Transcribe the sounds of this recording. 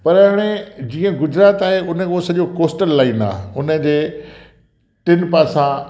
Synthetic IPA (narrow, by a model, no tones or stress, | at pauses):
pɐɾɦaːɽ̃ed͡ʑiːə̃ɡʊd͡ʑɾaːt̪aːɦeʊnə̆uosɐʄokoːsʈəlːaːiːna̰ːɦʊnə̆d͡ʑeː | ʈɪnpaːsã